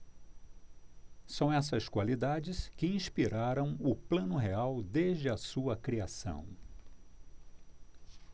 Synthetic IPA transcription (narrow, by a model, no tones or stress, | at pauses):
sɐ̃w̃ɛsɐskwalid̪ad͡ʒɪskɪĩspiɾaɾɐ̃w̃ʊplɐ̃nʊɦeawd̪eʒd͡ʒɪɐsuɐkɾiasɐ̰̃w̃